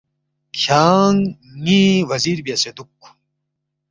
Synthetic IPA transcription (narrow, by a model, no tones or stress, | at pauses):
kʰjaːŋːiwɐziːɾbijased̪ukː